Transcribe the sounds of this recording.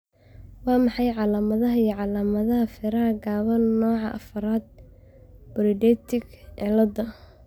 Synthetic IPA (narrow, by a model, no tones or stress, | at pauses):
wɑːmɑħɑjʕɑlaːmɐðɐɦɐijɔʕɑlaːmɐðɐɦɐfɪɾɐɐɡaːβɐnːɔːʕɑʔɐ̰fɐɾaːd̪̚ | b̥ɔɾɪɖɛt̪ʰɪɡʕɛlɐd̪ɐ